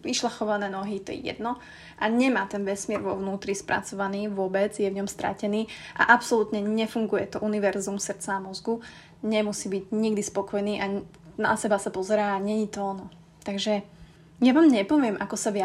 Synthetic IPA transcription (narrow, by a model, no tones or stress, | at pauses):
ʋiʃlaxɔʋanɛːnɔɦit̪ɔ̰jɛ̰jɛ̰d̪nɔ | ʔaɲɛmaːt̪ɛnʋɛsmɪɛɾʋɔʊnuːt̪ɾispɾa̰t͡sɔʋaniːʋʊɔbɛd͡zjɛʋɲɔmst̪ɾa̰cɛniːʔa̰ʔapsɔlut̪ɲɛɲɛfuŋɡujɛt̪ɔʔuniʋɛɾzumsr̩t͡saamɔzɡu | ɲɛmusiːbiɟɲiɡd̪ispɔkɔjniːʔa | na̰sɛbasapɔzɛɾaːaɲɛɲit̪ɔnɔ | t̪aɡʒɛ | jaʋaːmɲɛpɔʋɪɛmʔakɔsaʋɪa